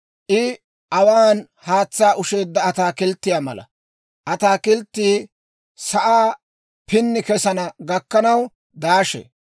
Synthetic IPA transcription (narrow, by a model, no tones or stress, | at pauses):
ʔɪ | ʔɐwaːn | haːt͡sːaːʔʊʃe̞ːd̪ːɐːt̪aːkɪlt̪ːɪjaːmɐ̰lɐ̰ | ʔɐt̪aːkɪlt̪ːiː | sɐʔaː | pɪnːɪkɛsɐnɐɡɐkːɐnɐw | d̪aːʃɛ̰